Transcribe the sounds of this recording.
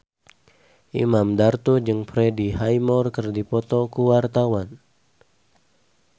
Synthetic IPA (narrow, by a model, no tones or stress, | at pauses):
ʔḭmamdart̪ud͡ʒɨŋpɾɛdiɦajmɔrkɨrdipɔt̪ɔkuwart̪awan